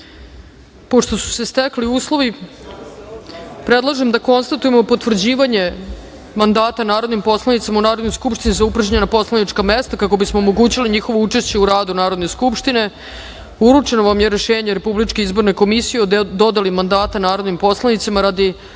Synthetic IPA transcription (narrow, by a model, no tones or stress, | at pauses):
po̞ʂt̪o̞su̥se̞st̪ekliuːslˠo̞ʋi | pɾed̪lˠaʒemd̪ako̞nst̪at̪uje̞mo̞pot̪vr̩d͡ʑiːʋaɲe̞ | mand̪aːt̪anaːɾo̞d̪nimpo̞slˠanit̪samaunaːɾo̞d̪nojskupʃt̪inizaupr̩d͡ʑaɲenapo̞slˠaniʈ͡ʂkamest̪akakobismo̞ːmo̞ɡuːt͡ɕiliɲixo̞ʋout͡ʂeʃt͡ɕe̞uɾaːd̪unaːɾo̞d̪ne̞skupʂt̪ine̞ | uɾut͡ʂe̞no̞ʋamje̞ɾeʃeːɲeɾe̞publit͡ʂkeizbo̞ɾneko̞misijeod̪o̞d̪alimand̪aːt̪anaːɾo̞d̪nimpo̞slˠanit̪simaɾad̪i